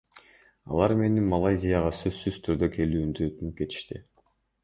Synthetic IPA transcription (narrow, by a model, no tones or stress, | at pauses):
ɑ̰lˠɑɾme̞nimalˠajzʲɪjaʁɑsø̞sːyzt̪ʰyɾd̪økʰe̞lyːmd̪yøt̪ynyp̚ke̞t̪i̥ʃt̪i